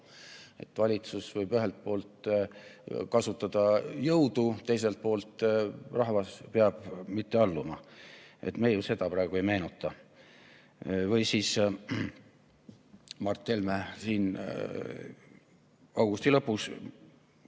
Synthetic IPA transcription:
e̞̰t̪ːˑvɑlʲit̪susvɤjbyɦe̞lt̪̚po̞ːlt̪ | kɑsut̪ːˑɑd̪̥ɑjɤwd̪̥ut̪ːe̞jse̞lt̪̚po̞ːlt̪ˑrɑɦvɑspeɑb̥mit̪ːe̞ɑlːumɑʔḛt̪mejuse̞d̪̥ɑpɾɑeɡ̥ue̞jme̞ːnut̪ˑːɑ | vɤjsiːs | mɑrt̪ːˑelmesiːn | ɑwɡ̥ust̪ilɤpːus

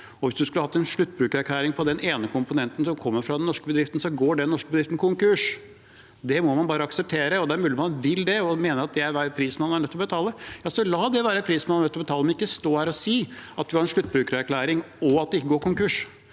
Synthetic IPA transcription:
ɔʋɪsd̪ʉskʉlːəhɑt̪ːɛnʂɭʉt̪ːbɾʉːkəɾæɾkʰlæːɾɪŋpʰɔd̪ɛneːnəkʰʊmpʊnɛnt̪ən̩sɔmkʰɔmːəɾfɾɑd̪ɛnnɔʂkəbəd̪ɾɪft̪n̩sɔɡoːɖɛnnɔʂkəbəd̪ɾɪft̪n̩kʰʊŋkʉʂ | d̪ɛmɔmɑnbɑːɾəɑksɛp̚t̪ʰeːɾəɔd̪ɛæɾmʉːlɪmɑnʋɪld̪ɛɔmeːnəɾɑt̪jæɪæɾʋæːɾəpʰɾiːsmɛɑnæɳœt̪ːlɔbət̪ʰɑːləjɑːsɔlɑːd̪ɛʋæːɾəpʰɾiːsmɛnnɛt̪ːlɔbət̪ɑːləmɛnɪkːəst̪oːhæːɾɔsiːɑt̪̚ʋɪhɑɾɛnʂɭʉt̪ːbɾʉːkəɾæɾkʰlæːɾɪŋ | ɔɑt̪d̪ɛɪkːəɡoːɾkʊŋkʉʂ

